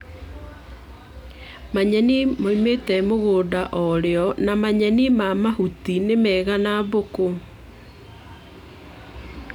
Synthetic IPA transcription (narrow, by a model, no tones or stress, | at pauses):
maɲɛnimoimetɛmoɣoːdaʔɔɾeɔnamaɲɛnimamahutinemɛːɣanaβoko